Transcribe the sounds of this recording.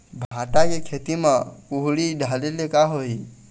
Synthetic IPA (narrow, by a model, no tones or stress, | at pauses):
bʱãʈakekʰet̪imepuɦɽiɖʱalelekaɦoi